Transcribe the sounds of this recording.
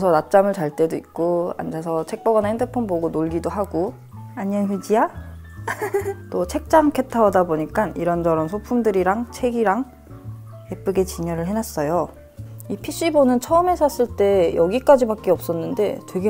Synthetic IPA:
sʰʌnat͡ɕ͈amɯɭt͡ɕaɭt͈e̞doḭk̚k͈oa̰nd͡ʑasʰʌt͡ɕʰe̞k̚p͈ʌɡʌnhendʰɯpʰonboɡonoɭɡidoɦaɡo | aɲʌnɸid͡ʑija | t͈ot͡ɕʰe̞k̚t͡ɕ͈aŋkʰe̞tʰawadaboɲik͈aniɾʌnd͡ʑʌɾʌnsʰopʰumdɯɾiɾaŋt͡ɕʰe̞ɡiɾaŋ | epʰɯɡe̞t͡ɕiɲʌɾɯɭɦe̞nas͈ʌjo | ipʰiɕ͈ibonɯnt͡ɕʰʌɯme̞sʰas͈ɯɭt͈e̞jʌɡik͈ad͡ʑibak͈eʌp̚s͈ʌnːɯnde̞twe̞ɡe

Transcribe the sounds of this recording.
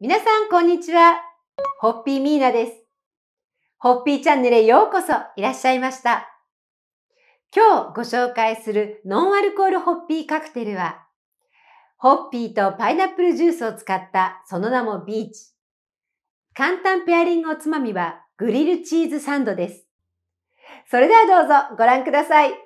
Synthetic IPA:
mʲinasãŋkõ̞ɲ̟ːit͡ɕiβa | ho̞pʲːiːmʲiːnad̪e̞sɨ̥ | ho̞pʲːiːt͡ɕãnːe̞ɾɯjo̞ːko̞so̞iɾaɕːaimaɕi̥t̪a | kʲo̞ːɡo̞ɕo̞ːkaisɨɾɯ̟nõ̞ɰ̃aɾɯ̟ko̞ːɾɯ̟ho̞pʲːiːkakɯ̟̥t̪e̞ɾɯ̟βa | ho̞pʲːiːt̪o̞painapːɯ̟ɾɯ̟ʑɨːsɨo̞t͡sɨ̥kat̪ːaso̞no̞namo̞bʲiːt͡ɕi̥ | kãnt̪ãmpe̞aɾʲĩŋɡɯot͡sɨmamʲiβa | ɡ̥ɯ̟ɾʲiɾɯ̟t͡ɕiːzɨsãnd̪o̞d̪e̞sɨ̥ | so̞ɾe̞d̪e̞βad̪o̞ːzo̞ɡo̞ɾãŋkɯ̟d̪asai

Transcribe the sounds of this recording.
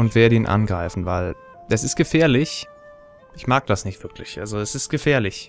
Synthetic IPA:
ʊntv̥eːɐdiːnʔa̰nɡʁaɪfn̩vaɪl̥ | ɛsɪst̚ɡ̥əfɛːɐlɪç | ʔɪçmaːɡ̚d̥asnɪçtv̥ɪɐklɪçʔa̰lzoɛsɪstɡ̥əfɛːɐlɪç

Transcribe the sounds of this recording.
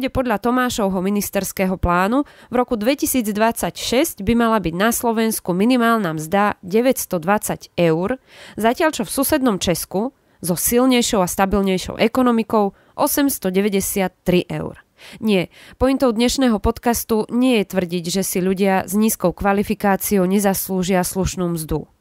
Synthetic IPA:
ɟɛpɔd̪ʎat̪ɔmaːʃɔʊɦɔminist̪ɛɾskɛːɦɔplaːnuvɾɔkud̪ʋɛcisiːd͡zd̪ʋat͡sacʃɛsɟbimalabiɟnaslɔʋɛnskuminimaːlnamzd̪aɟɛʋɛcst̪ɔd̪ʋat͡saɟɛʊɾzacɪaʎt͡ʃɔfsusɛd̪nɔmt͡ʃɛsku | zɔsilɲɛjʃɔʊast̪abilɲɛjʃɔ̰ʊʔɛkɔnɔmikɔʊ | ʔɔsɛmst̪ɔɟɛʋɛɟɛsɪat̪ːɾiʔɛ̰ʊɾ | ɲɪɛpɔint̪ɔʊd̪ɲɛʃnɛːɦɔpɔt̪kast̪uɲɪɛjɛt̪ʋr̩ɟiɟʒɛsiʎuɟɪazɲiːskɔʊkʋalifikaːt͡siɔʊɲɛzasluʒɪasluʃnuːmzd̪ṵ

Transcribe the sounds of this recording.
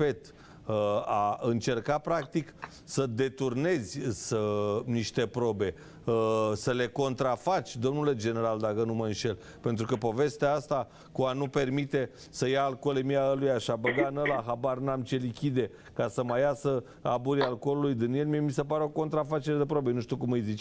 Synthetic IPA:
et̪ | aɨnt͡ʃe̞rkapɾak̚t̪ik | səd̪e̞t̪urne̞zʲsəniʃt̪e̞pɾo̞be̞ | səle̞ko̞nt̪ɾafat͡ʃʲd̪o̞mnule̞d͡ʒe̞ne̞ɾald̪akənuməɨnʃe̞l | pe̞nt̪ɾukəpo̞ve̞st̪eaast̪a | kuanupe̞rmit̪e̞ | səjaːlko̞lemiaəlujaʃabəɡanəlaɦabarnamt͡ʃelikʲid̪e̞ | kasəmajasə | abuɾialko̞lulujd̪ɨnie̞lmiemisepaɾeo̞ko̞nt̪ɾafat͡ʃeɾed̪epɾo̞be̞nuʃt̪iukumɨjzit͡ʃ

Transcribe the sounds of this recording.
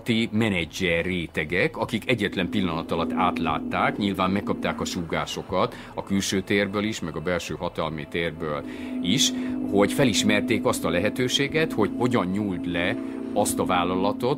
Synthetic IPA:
t̪imɛnɛd͡ʒːɛreːt̪ɛɡɛkɒkikɛɟːɛt̪lɛmpilːɒnɒt̪ɒlɒt̪ːaːt̪la̰ːt̪ːaːkɲilvaːmːɛkkːɒp̚t̪aːkɒʃuːɡaːʃo̞kɒt̪ | ɒkylʃøːt̪eːrbøːliʃmɛɡɒbɛlʃøːɦɒt̪ɒlmit̪eːrbøːliʃho̞ɟfɛliʃmɛrt̪eːkɒst̪ɒlɛɦɛt̪øːʃeːɡɛt̪ho̞ɟho̞ɟɒɲːuːlt̪lɛ | ɒst̪ɒvaːlːɒlɒt̪o̞t̪

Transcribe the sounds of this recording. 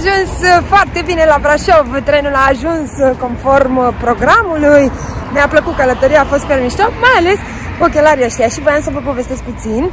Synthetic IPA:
aʒunsfoart̪e̞bine̞lavɾaʃovt̪ɾe̞nulaːʒunsko̞nfo̞rmpɾo̞ɡɾamulujneapləkut̪̚kələt̪oɾiaːfo̞st̪̚pe̞rmiʃt̪okmajale̞s | ok̬ʲelaɾijaʃt̪ijaʃivəjamsəvəpo̞ve̞st̪es̚put̪sin

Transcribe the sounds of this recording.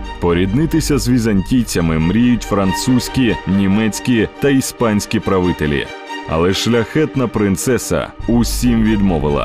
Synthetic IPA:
pɔɾʲid̪nɪt̪ɪsʲɐzʋʲizɐnʲtʲijt͡sʲɐmɪmɾʲijʊtʲfɾɐnt̪susʲkʲinʲimɛsʲkʲit̪ɐispɑnʲsʲkʲipɾɐʋɪt̪elʲḭ | ɐ̰lˠɛʃlʲɐxɛt̪nɐpɾɪnt̪sɛsɐ̰ʊsʲimʋʲid̪mɔʋɪlˠɐ̰

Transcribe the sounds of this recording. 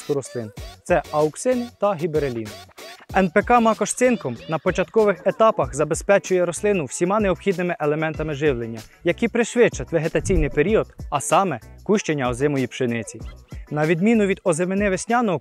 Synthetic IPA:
t̪ʊɾɔslˠɪnt̪sɛɐʊksɪnɪt̪ɐɦʲibeɾelʲinɪɛnpekɑmɑkɔʃt̪sɪnkɔmnɐpɔt͡ʃɐt̪kɔʋɪxet̪ɑpɐxzɐbe̞spɛt͡ʃʊjɛɾɔslˠɪnʊwsʲimɑneɔpxʲid̪nɪmɪʔelˠemɛnt̪ɐmɪʒɪʋlˠenʲːɐjɐkʲipɾɪʃʲʋʲɪt͡ʃːɐt̪ʲʋeɦet̪ɐt͡sʲijnɪjpeɾʲiɔd̪̥ɐsɑmɛkuʃt͡ʃenʲːɐɔzɪmɔjipʃenɪt͡sʲinɐʋʲid̪mʲinʊʋʲid̪ɔzemenɪʋesʲnʲɑnɔɔ

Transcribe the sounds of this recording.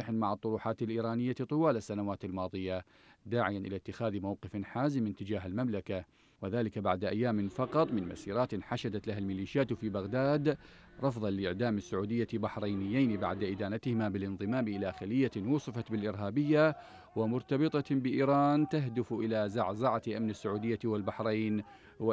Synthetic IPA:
ɪħnmaʕɑt̪ˤːʊɾuːħaːt̪alʔiːɾaːnɪjːat̪ˤɨwaːlasːanawaːt̪ɪlmɑːðˤɨja | d̪aːʕɪjanʔɪlat̪ːɪxaːðmawqɨfnħaːzɪmːɪnt̪ɪd͡ʒaːɦalmamlaka | wɪðaːlɪkabaʕd̪ʔajːaːmɪnfɑqɑt̪ˤmɪnma̰siːɾˤaːt̪nħaʃad̪at̪laɦalmɪliːʃjaːt̪fiːbaɣd̪aːd̪ˤ | ɑfðˤɑlɪʔɪʕd̪aːmɪsːʊʕuːd̪ɪjːabaħɾˤajnɪjːaːnba̰ʕd̪aʔɪd̪aːnat̪hɪmabɪlʔɪnðˤɨmaːmʔɪlaxalɪjːanwuːsˤɨfɑt̪bɪlʔɪɾɦaːbɪjːa | wɪmʊɾt̪ɑbɨt̪ˤɑbɪʔiːɾaːnt̪aɦd̪ɪfʔɪlazaʕzaʕat̪lʔamnɪsːʊʕuːd̪ɪjːawɪlbaħɾˤiːn | w

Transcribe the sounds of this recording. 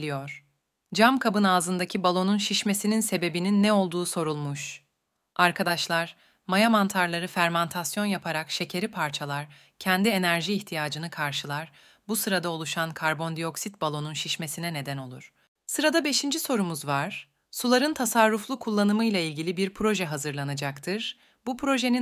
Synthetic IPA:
lʲijoɾ̥ | d͡ʒamkʰabɯnaːzɯnd̪acʰibalˠo̞nunʃiʃme̞sininse̞be̞bininːɛo̞lˠd̪uːso̞ɾulˠmuʃ | ʔaɾkʰad̪aʃlˠaɾ̥ | majamant̪ʰaɾlˠaɾɯfæɾmant̪ʰasjo̞njapʰaɾakʃe̞cʰe̞ɾipʰaɾt͡ʃʰalˠaɾ | cʰɛnd̪ie̞næɾʒiːçt̪ʰijaːd͡ʒɯnɯkʰaɾʃɯlˠaɾ̥ | busɯɾad̪aolˠuʃankʰaɾbo̞nd̪ijo̞ksit̪̚balˠo̞nunʃiʃme̞sinɛne̞d̪æno̞lˠṵɾ̥ | sɯɾad̪abe̞ʃind͡ʒiso̞ɾumuzvaɾ̥ | sulˠaɾɯnt̪ʰasaɾːuflˠukʰulˠːanɯmɯjlʲˠailʲɟilʲibiɾpʰɾo̞ʒɛɦazɯɾlˠanad͡ʒakt̪ʰɯɾ̥ | bupʰɾo̞ʒe̞ni

